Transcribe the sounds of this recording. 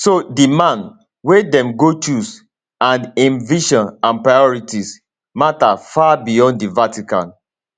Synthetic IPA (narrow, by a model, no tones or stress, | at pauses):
sodimãn | wedɛ̃mɡot͡ʃus | ãnɛ̃nviʃɔ̃nãnpɹaɪɔɹitis | matafabijɔ̃nddivatikã̰n